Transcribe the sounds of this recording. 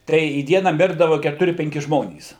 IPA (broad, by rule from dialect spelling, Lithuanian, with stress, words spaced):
ˈtɐɪ iː ˈdʲiɛnɑː ˈmʲɪrdɐʋɐ kʲɛtʊˈrʲɪ pʲɛŋʲˈkʲɪ ˈʒmoːnʲiːs